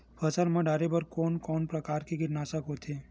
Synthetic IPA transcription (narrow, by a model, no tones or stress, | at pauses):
bəsəlmãɖaɾebəɾkɔnkɔːnpɾəkaɾkiɡɪʈnasəkɦot̪ʰe